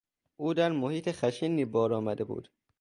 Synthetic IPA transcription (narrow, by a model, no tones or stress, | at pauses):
uːd̪æɾmohiːt̪ʰexæʃiːnːiːbɒːɾɒːmæd̪ebṵːd̪̥